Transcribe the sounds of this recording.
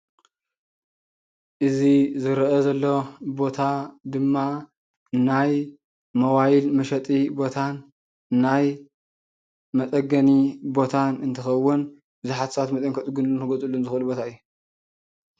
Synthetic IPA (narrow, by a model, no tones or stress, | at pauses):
ʔɨzizɨɾʔɐzɐlːobo̞t̪ʰad̪ɨmːa | naj | mɐwajilmɐʃɐt̪ʼibo̞t̪ʰanː | aj | mɐt̪ʼɐɡɐnibo̞t̪ʰanɨnt̪ʰɐxɐwːʊn | bɨzuħat̪sɐβat̪mɐt̪ʼɐŋkʰɐt̪ʼɨɡunlunɨɡozʼɨlːunzɨxɨlubo̞t̪ʰaɨjːu